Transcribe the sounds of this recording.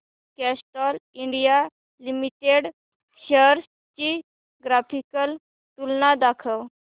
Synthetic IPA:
kɛsʈɔliɳɖija | limiʈeɽ | ɕəɾs | t͡ɕi | ɡɾapʰikəl | t̪ulnad̪akʰəw

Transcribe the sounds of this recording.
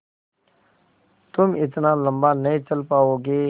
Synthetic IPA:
t̪ʊmɪt̪naːlə̃mbaːnəĩːt͡ʃəlpaːoːɡeː

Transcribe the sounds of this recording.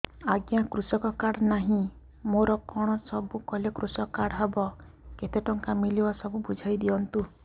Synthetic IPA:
aɡjakɾusɔkɔkaɽnaɦĩ | moɾɔkɔɽ̃ɔsɔbukɔlekɾusɔkaɽɔɦebɔ | ket̪eʈɔŋkamilibasɔbubud͡ʒʱajd̪iɔnt̪u

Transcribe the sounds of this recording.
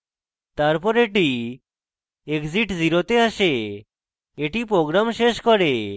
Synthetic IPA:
t̪aɾpɔɾeʈi | ekd͡ziʈd͡ziɾot̪eaʃe | eʈipɾoɡɾamʃeʃkɔɾe

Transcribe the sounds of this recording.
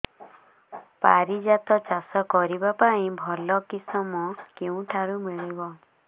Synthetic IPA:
pa̰ɾid͡ʒat̪ɔt͡ʃasɔkɔɾibapaĩbʱɔlɔkisɔmɔkeũʈʰaɾumiɭebɔ

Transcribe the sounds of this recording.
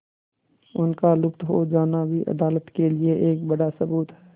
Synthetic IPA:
ʊnkalʊpt̪ɦod͡ʒaːnabʱiʔɐ̰d̪aːlət̪kelieʔeːkbɐɽasɐbuːt̪ɦɛː

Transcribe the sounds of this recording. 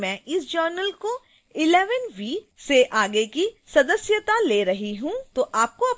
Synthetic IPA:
mɛ̃ʔɪsd͡ʒəːɾnəlko | ɪlɛːʋənʋiːseʔaːɡekisɐd̪əsjət̪aleːɾɐɦiɦũt̪oʔaːp̚koɐp

